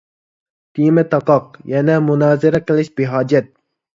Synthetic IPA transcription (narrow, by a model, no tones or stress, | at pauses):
t̪imet̪ɑqɑqjanamʊnɑːzɪɾakɪlɪʃbeɦɑːd͡ʒat̪̚